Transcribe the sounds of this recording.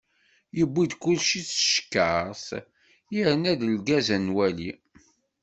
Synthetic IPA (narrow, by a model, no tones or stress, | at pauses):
jəbːid̪kulʃit͡sːəʃkːəs | jiɾənæðəlɡæzænwæli